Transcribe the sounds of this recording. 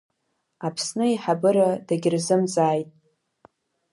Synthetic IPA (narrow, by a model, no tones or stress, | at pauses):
apʰsnɨiħabɨɾadaɡʲɪrzɨmzaːjtʼ